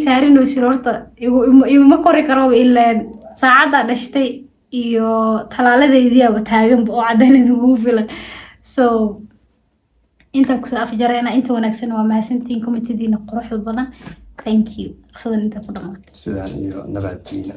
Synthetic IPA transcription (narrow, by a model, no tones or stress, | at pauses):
saːɾɪnɔːsɪɾɔrt̪ʰɐɪɣʊmɪɣʊmɐkʰɔɾɪkʰɐɾɔβɪlːɛnsaːʕɑd̪aɖɐʃt̪ʰɛj | ijɔt̪ʰɐlaːlɐðɛjðɪjaβɐt̪ʰaːɣɐmbɐɔːʕɑd̪aːnɐɪðɪŋkʰʊɣʊfɪlɐn | sɔ | ʔɪnt̪ʰaːkʰʊ̥sɔːʔɐft͡ʃɐɾɛjnɐɪnt̪ʰɐwɑnaːɡsɐnwɑːmɐhːsɐnt̪ʰiiŋkʰɔmɪt̪ʰɪðiːnɐqʊɾʊħd̪ɐbɐðɐnt̪ʰaŋkʰiʊqsɐðɐnɪnt̪ʰakʰʊɖɐqmaːt̪ʰɛ̥sɪða̰nḭjɔ̰nɐ̰βa̰ːt̪ʰḭːnɐ